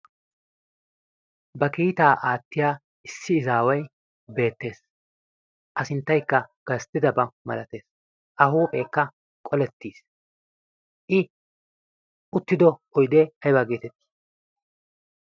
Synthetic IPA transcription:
bɐkiːt̪aːʔaːt̪ːɪjaː | ɪsːɪːzaːwɐj | be̞ːt̪ːe̞ːs | ʔɐsɪnt̪ːɐjkːɐɡ̥ɐst̪ɪd̪ɐbɐmɐ̰lɐt̪e̞ːs | ʔɐhuːpʼeːkːɐ | kʼɔlɛt̪ːiːs | ʔɪ | ʊt̪ːɪd̪ɔɔjd̪ɛɐjbɐɡeːt̪ɛt̪ːi̥

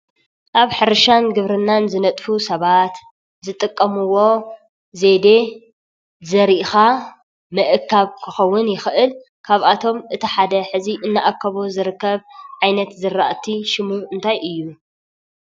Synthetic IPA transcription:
ʔaβħɨɾɐʃanɡɨβɾɨnːanzɨnɐt̪ʼfusɐβat̪ | zɨt̪ʼɨkʼːɐmɨwo̞ | ze̞d̪e̞ | zɐɾiʔxa | mɨʔɨkʰːaβkʰɨxɐwːʊnjɪxʔɨl | kʰaβʔat̪ʰo̞mʔɨt̪ʰiħad̪ɐħɨziʔɨnːaʔakʰːɐβozɨɾɨkːɐβʕajnɐt̪zɨɾːaʔt̪ʰiʃɪmuɨnt̪ʰajʔɨjːu

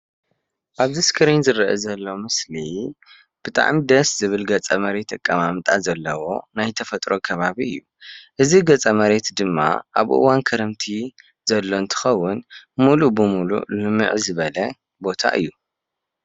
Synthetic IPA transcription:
ʔaβziskʰɨɾinzɨɾɐʔɐzɐlːo̞mɨsli | b̥ɨt̪ʼa̰ʕmid̪ɐszɨβɨlɡɐt͡sʼɐmɐɾe̞t̪ɐkʼːɐmamt̪ʼa̰zɐlːɐwo̞̰najt̪ʰɐfɐt̪ʼɾo̞kʰɐβaβiɨjːu | ʔɨziɡɐt͡sʼɐmɐɾe̞t̪d̪ɨmːa̰ʔa̰βʔɨ̰wankʰɐɾɐmt̪ʰi | z̥ɐlːo̞ɨnt̪ʰɨ̥xɐwːʊnmulubɨmulṵlɨmɨ̰ʕzɨβɐlɐ | bo̞t̪ʰa̰ʔɨ̰jːu

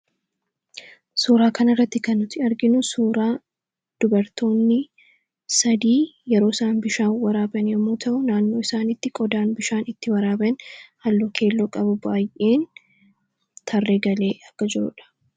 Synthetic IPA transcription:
suːɾaːkɐnɪrːɐt̪ːɪkɐnːʊt̪ɪɐɾɡɪnʊsuːɾaː | d̪̥ʊbɐɾt̪o̞ːnːɪ | sɐd̪iːjɛɾo̞ːɪsaːnbɪʃaːwɐɾaːbɐnjɛmːoːt̪ʰɐʔʊnaːnːo̞ːɪsaːnɪt̪ːɪkʼɔd̪aːnbɪʃaːnɪt̪ːɪwɐɾaːbɛnhɐlːoːkʰe̞ːlːoːkʼɐbʊbaːjʔe̞ːn | t̪ʰɐrːe̞ːɡɐle̞ːɐkːɐd͡ʒɪɾʊ̰ᶑɐ̥

